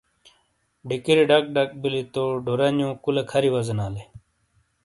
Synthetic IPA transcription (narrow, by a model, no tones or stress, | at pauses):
ɖikiɾiɖɐk̚ɖɐk̚bilit̪oɖoɾɐnjõːkulɐkʰɐɾiwɐzɐnaːle